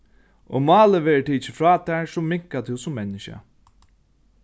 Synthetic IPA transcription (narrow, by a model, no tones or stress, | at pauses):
o̰mɑːləʋeːɹəʈ̪ʰiːt͡ʃːɪfɹaːt̪ʰæːsʊmːɪŋkat̪ʰɪwsʊmːɛnːɪʃa̰